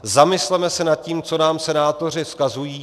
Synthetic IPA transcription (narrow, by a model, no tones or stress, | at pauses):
zamɪslɛmɛsɛnat̪̚ciːmt͡so̞naːmsɛnaːt̪o̞r̝ɪfskazujiː